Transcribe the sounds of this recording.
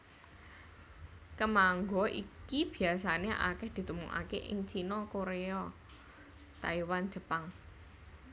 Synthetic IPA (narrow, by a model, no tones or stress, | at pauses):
kəmaŋɡɔʔikib̥i̤asaneʔa̰kɛhd̪̥i̤t̪umuŋʔa̰keʔɪ̰ŋt͡ʃinɔkoɾeɔ | t̪a̰iwan̥ʒ̥ə̤paŋ